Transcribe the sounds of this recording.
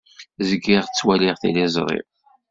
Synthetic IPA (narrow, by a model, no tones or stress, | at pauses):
zəɡɪʁt͡sːwæliʁθḭlɪzˤɾˤḭv